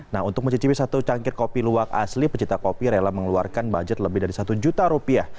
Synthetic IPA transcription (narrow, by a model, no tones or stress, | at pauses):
naɦunt̪ʊk̚məɲt͡ʃət͡ʃipisat̪ut͡ʃaŋkɪrkopiluaka̰slipət͡ʃit̪akopiɾelahməŋluarkanbad͡ʒət̪̚ləbɪdaɾisat̪ud͡ʒut̪aɾupiah